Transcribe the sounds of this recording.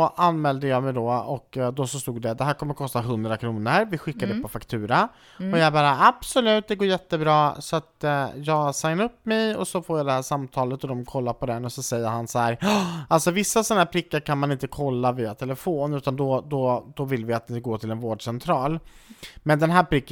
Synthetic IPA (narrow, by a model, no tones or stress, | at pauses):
ɔʔanːmɛːld̪əjɑːmɛjd̪ɔɔkd̪ɔsɔst̪uːɡd̪ɛd̪ɛɦæːɾkʰɔmːəɾkʰɔst̪aɦɵnd̪ɾakʰɾuːnəɾvɪɧɪkːad̪ɛpɔfakt̪ʰʉ̟ːɾa | ɔjɑæbɑːɾaʔab̥sɔlʉ̟ːt̪̚d̪ɛɡoːɾjɛt̪ːəbɾɑːsɔat̪jɑːɡsaŋnaɾɵpːmɛjɔsɔfoːɾjɑːd̪ɛhæːʂamt̪ʰɑːlət̪ɔd̪ɔmkʰɔlːaɾpʰɔd̪ɛnːɔsɔsɛjːəɾhansahæːɾalsɔvɪsːasɔnahæːɾpʰɾɪkːəɾkʰanmanɪnt̪əkʰɔlːaviːat̪ʰɛləfoːnʉ̟ːt̪and̪ɔd̪ɔd̪ɔvɪlːvɪat̪̚d̪ɪɡoːʈ̪ʰɪlɛnvoːɖʂɛnt̪ʰɾɑːlmɛnd̪ɛnɦæːɾpʰɾɪkː